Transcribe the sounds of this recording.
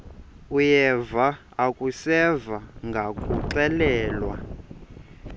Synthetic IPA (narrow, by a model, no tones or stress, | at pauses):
ujɛva | akʼusɛvaŋɡʱakʼuǀɛlɛːlwa̰